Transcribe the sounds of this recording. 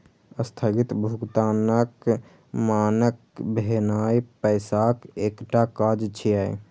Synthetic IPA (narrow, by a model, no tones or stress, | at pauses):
əst̪ʰəɡit̪bʱuɡt̪anək | manəkbʱenajpəɪsakekʈakad͡ʒt͡ʃʰiaj